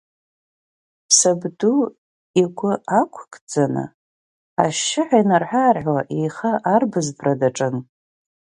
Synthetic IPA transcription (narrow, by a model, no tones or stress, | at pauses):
sabdu | iɡʷʊakʷʰkʰʼd͡zanɨ̰ | a̰ʃɪħajnarħʷᶣarʕwaʔejχaʔarbɨzbradaʈ͡ʂʼɨn